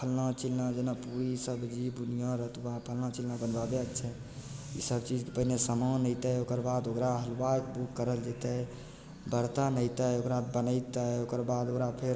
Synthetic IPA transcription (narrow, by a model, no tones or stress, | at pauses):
pʰəlnãt͡ʃilnad͡ʒenapuɾisəbd͡ʒibunijãɾəɦt̪uãpʰəlnãt͡ʃilnabənbabeəkt͡ʃʰɛ | ḭsəbt͡ʃid͡ʒkepəɦinesəmənəjt̪ɛokəɾbad̪okɾaɦəlbak̚bukːəɾəld͡ʒet̪ə | bəɾt̪anəjt̪əjokɾad̪bənəɪt̪əokəɾbad̪okɾapʰeɾ